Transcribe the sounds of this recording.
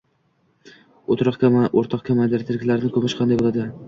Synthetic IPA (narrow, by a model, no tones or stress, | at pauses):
ot̪ɾɑqoɾt̪ʰɒqkʲʰamajd̪eɾt̪ʰɪɾɪkʲlaɾɪnɪkʰɵmɪʃqʰɑnd̪ajbolˠad̪ɪ